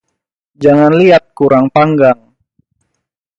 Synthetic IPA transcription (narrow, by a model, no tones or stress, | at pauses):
d͡ʒaŋanliat̪̚kuɾaŋpaŋɡaŋ